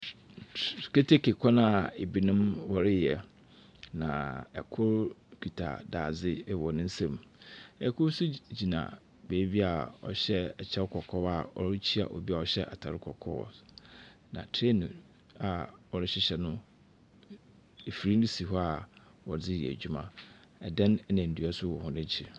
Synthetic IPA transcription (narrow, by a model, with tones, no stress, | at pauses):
kʰe˦tʰe˦kʰe˨kʷʰɔ˦nã˨e˨bi˨nʊ̃˦mwɔ˨ɾɪ˦jɛ˨ | nã˨ɛ˨kʰʊ˦ɾkʰᶣi˨tʰa̰˨da̰ː˨d͡zɪ˦wɔ˨nʊ̃˦n̩˦sã˦mɛ˨kʰʊ˦ɾsʊ˦d͡ʑi˨nã̰˨ | be˨˦bi˦a˨ɔ̰˨ɕɛ˦ɛ˨t͡ɕʰɛ˦kʰɔ˨kʰɔ˦wa˨ɔ̰˨ɾɪ˦t͡ɕʰi˦a̰˨ʔɔ̰˨bi˦a˨ɔ˨ɕɛ˦ʔa̰˨tʰa˨ɾɪ˦kʰɔ˨kʰɔ̰˦ɔ̰˨ | nã̰˨tʰɾe˦nʊ̃˨ | a˨ɔ˨ɾɪ˦ɕɪ˦ɕɛ˨nʊ̃˦ | e˨fi˨ɾi˦ndi˦si˨ɦɔ˦a˨ | wɔ˨d͡zɪ˦jɛ̰˨æ̰˨d͡ʑᶣu˦mã̰˦ | ɛ˨dɛ̃˦n˦nɪ̃˨n̩˨du˨a˦sʊ˦wɔ˨hʊ̃˨nɪ̃˦t͡ɕʰi˨